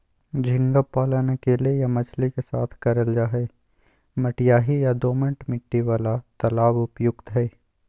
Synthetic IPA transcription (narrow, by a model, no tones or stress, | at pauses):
d͡ʒʱɪ̃ŋɡəpːaːlanɐkeːlejamɐt͡ʃʰlikesa̰ːt̪ʰkɐɾəld͡ʒaːɦɛː | mɐʈɪjaːɦijad̪oːmə̃ɳʈmɪʈːiʋaːlat̪ɐlaːbʊpjʊɡt̪ɦɛː